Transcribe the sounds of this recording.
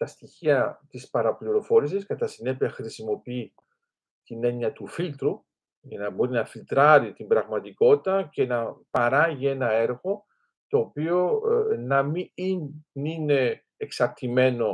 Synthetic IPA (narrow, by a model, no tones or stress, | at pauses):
t̪ɐst̪içiɐt̪ispɐɾɐpliɾo̞fo̞ɾis̬iskɐt̪ɐsine̞piɐxɾisimo̞pii | t̪ine̞ɲiɐt̪ufilt̪ɾu | jɐnɐbo̞ɾinɐfilt̪ɾɐɾit̪imbɾɐɣmɐt̪iko̞t̪it̪ɐce̞nɐpɐɾɐʝie̞nɐe̞ɾɣo̞ | t̪o̞ːpio̞nɐmiinnine̞ː | ksɐɾt̪ime̞no̞